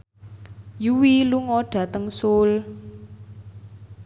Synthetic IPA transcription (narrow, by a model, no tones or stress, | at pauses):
juwiluŋɔɖ̥ä̤t̪əŋsʊl